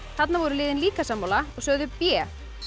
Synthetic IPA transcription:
θat̪navɔɾʏlɪːðɪnliːkasamːawlaɔɣsœːɣðʏpjɛː

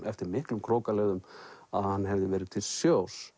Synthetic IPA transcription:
ɛft̪ɪɾmɪhklʏmkʰɾoːwkalɛːðʏmaðhanːhɛvðɪvɛːɾɪt̪ʰɪlsjoːws

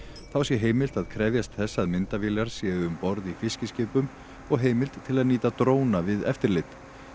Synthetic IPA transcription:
θawsjɛɦeːjmɪlt̪aðkʰɾɛːvjast̪θɛsːaðmɪnt̪avɪːlaɾ̥sjɛːðʏʏmpɔɾðifɪscɪscɪːpʏm | ɔɣɦeːjmɪlt̪ʰːɪlaðniːt̪at̪ɾoːwnavɪðɛ̰ft̪ɪɾlɪt̪

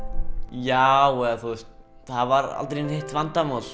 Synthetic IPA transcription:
jawɛθust̪̚θaðvaɾa̰lt̪ɾinhɪht̪vant̪amɔːl

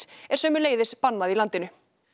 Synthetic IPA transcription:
ɛɾ̥sœːmʏleːjðɪspanːaðilant̪ɪnʏ

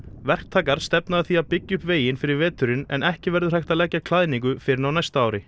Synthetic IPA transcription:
vɛr̥k̚t̪ʰaːkaɾ̥st̪ɛpnaðθiapɪcːʏhpveːjɪnfɪɾɪɾvɛːt̪ʏɾɪnɛ̰nɛhcɪvɛɾðʏr̥ajht̪aðlɛcːakʰl̥aðɪniŋkʏfɪɾɪɾnawnajst̪aaːwɾɪ

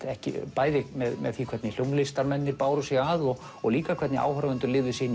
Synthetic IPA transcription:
ɛhcɪ̰paːjðɪmɛðmɛðθikʰvɛt̪nɪl̥jomlɪst̪aɾmɛnːɪɾpaːwɾʏsjɛɣaðɔɣ | ɔɣliːkakʰvɛt̪nɪʔa̰ːwhœɾavɛnt̪ʏɾlɪːvðʏsɪɪn

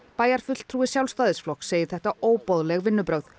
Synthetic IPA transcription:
paːjaɾ̥fʏl̥t̪ʰɾuːɪsjawlst̪aːðɪsflɔkseːjɪ̥θɛht̪aoːwpɔðlɛɣvɪnːʏpɾœɣð

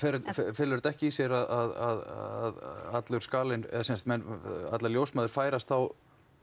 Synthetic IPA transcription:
fɛɾffɛlʏɾt̪ɛhcɪisjɛɾaðaðaððat̪lʏɾskaːlɪnɛ̰ðsɛnst̪mɛna̰t̪laljowsmaːðʏɾ̥faːjɾast̪θaw

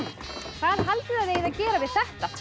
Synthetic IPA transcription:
θaðɦalt̪ɪaðejðaðcɛːɾavɪð̥θɛht̪a

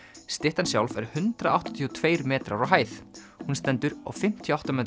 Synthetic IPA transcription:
st̪ɪht̪ansjawlvɛɾ̥hʏnt̪ɾaʔawht̪ɔ̥t̪ʰiɔt̪ʰveːjɾmɛːt̪ɾaɾɔɦaːjθ | hunst̪ɛnt̪ʏɾa̰wfɪm̥t̪ʰjɔawt̪amɛːt̪

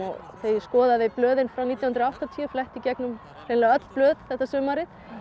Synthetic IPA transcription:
ɔɣθeːjskɔːðaðɪplœːðɪnfɾawniːt̪jawhʏnɾɔaht̪at̪ʰiːʏflɛht̪icɛknʏm | ɾ̥eːnlɛːɣaœt̪l̥plœːðθɛht̪ːasʏːmaɾɪð

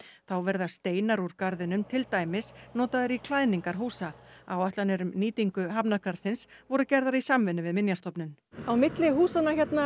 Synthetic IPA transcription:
θawvɛɾðḁst̪eːjnaɾuɾ̥kaɾðɪnʏmt̪ʰɪlt̪aːjmɪsnɔːt̪aðɪɾikʰlaːjniŋkaɾ̥ɦuːsaawaht̪lanɛɾʏmniːt̪iŋkʏɦapnakaɾ̥sɪnsvɔɾʏcɛɾðaɾisamvɪnːʏvɪðmɪnjast̪ɔpnʏn | awmɪt̪lɪɦuːsanaçɛt̪na

